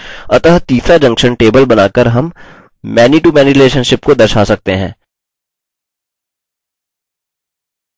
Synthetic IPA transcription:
ɐt̪əɦt̪iːsɾad͡ʒɐ̃ŋkʃənʈeːbəlbɐnaːkəɾɦɐm | mɛːniʈuːmɛːniɾɪleːʃənʃɪpkod̪ɐɾʃaːsɐk̚t̪eɦɛ̰̃ː

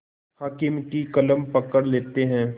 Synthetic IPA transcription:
haːkɪmkikɐləmpɐkəɾleːt̪eɦɛ̃ː

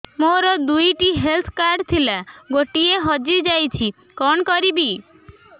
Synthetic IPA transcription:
moɾɔd̪ujʈiɦelt̪ʰkaɾɖt̪ʰilaɡoʈieɦɔd͡ʒid͡ʒajt͡ʃʰi | kɔnkɔɾibi

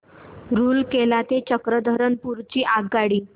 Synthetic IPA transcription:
ɾuːlkelat̪et͡ɕəkɾəd̪ʱəɾənpuɾt͡ɕiːʔaɡːaɽiː

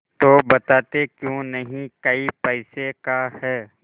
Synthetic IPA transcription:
t̪oːbɐt̪aːt̪ekjõːnɐɦĩkɐipɛɪsekahɛː

